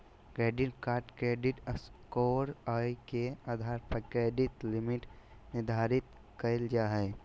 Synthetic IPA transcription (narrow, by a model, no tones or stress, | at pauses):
kɾeːɖɪʈkaːɾʈkɾeːɖɪʈəskoːɾaikeaːd̪ʱaːɾpəkɾeːɖɪt̪lɪmɪʈ | nɪɾd̪ʱaːɾɪt̪ | kəɪld͡ʒaɦɛː